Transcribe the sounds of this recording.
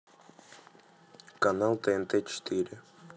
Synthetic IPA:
kanalˠt̪ent̪et͡ʃt̪iɾʲe

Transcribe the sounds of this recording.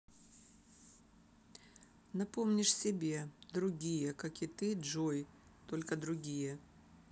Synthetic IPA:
nɐpomnʲɪʂsʲɪbʲed̪ɾʊɡʲijəkakɪt̪ɨʐoj | t̪olʲkəd̪ɾʊɡʲijə

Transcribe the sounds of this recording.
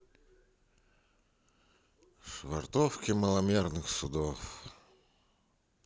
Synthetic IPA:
ʂvɐ̰rt̪ofkʲɪməlˠɐmʲernɨxsʊd̪of

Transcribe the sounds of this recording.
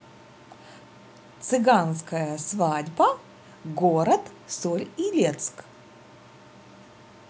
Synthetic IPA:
t̪sɨɡanskəjəsvadʲbɐ | ɡoɾɐt̪ | solʲilʲet̪sk

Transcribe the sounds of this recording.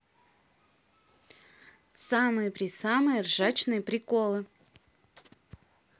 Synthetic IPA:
samɨjəpɾʲɪsamɨjərʐat͡ɕnɨjəpɾʲɪkolˠɨ

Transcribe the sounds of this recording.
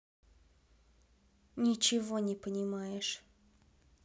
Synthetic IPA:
nʲɪt͡ɕɪvo̞nʲɪpənʲɪmajɪʂ

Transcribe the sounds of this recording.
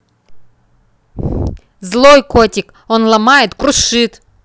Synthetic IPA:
zlˠo̞jkotʲɪk | onlˠɐmajɪt̪kɾʊʂɨt̪

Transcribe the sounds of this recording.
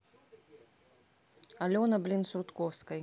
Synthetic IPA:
ɐlʲɔnɐblʲinsɾut̪kɔwskɐj

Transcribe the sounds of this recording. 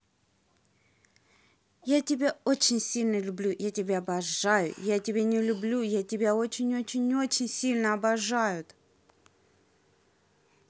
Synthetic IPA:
jatʲɪbʲaot͡ɕɪnʲsʲilʲnəlʲʊblʲujatʲɪbʲaɐbɐʐːajʊ̰jatʲɪbʲenʲɪlʲʊblʲujatʲɪbʲao̞t͡ɕɪnʲot͡ɕɪnʲɪo̞t͡ɕɪnʲsʲilʲnəɐbɐʐajʊt̪

